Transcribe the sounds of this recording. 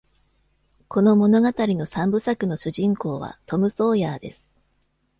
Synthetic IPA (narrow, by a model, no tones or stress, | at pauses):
kʰo̞no̞mo̞no̞ɡat̪aɾʲino̞sãmbɯ̟sakɯ̟no̞ɕɨʑĩŋko̞ːβ̞a̰t̪o̞mɯ̟so̞ːjaːd̪e̞̰sɨ̥